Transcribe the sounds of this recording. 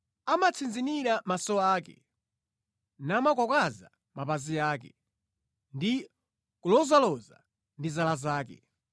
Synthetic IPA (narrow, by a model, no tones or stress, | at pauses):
amat͡sʰind͡ziniɾamasɔaːkɛ̰ | naːmakwɔkaza̰ | mapaziaːkɛ | ndi | kulɔzalɔza̰ | ndizalazaːkɛ̰